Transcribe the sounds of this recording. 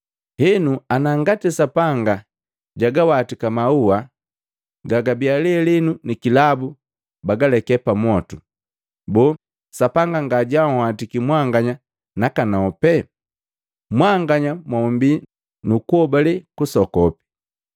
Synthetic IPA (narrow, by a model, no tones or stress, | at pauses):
hɛnuanaŋɡatisapaŋɡa | ɟaɡawatikamaua | ɡaɡabialiɛlinunikilabu | baɡalɛkɛpamɔtu | bɔː | sapaŋɡaŋɡaɟahatikimwaŋɡaɲa | nakanaɔpɛ | mwaŋɡaɲamwaumbi | nukuɔbalikusɔkɔpi̥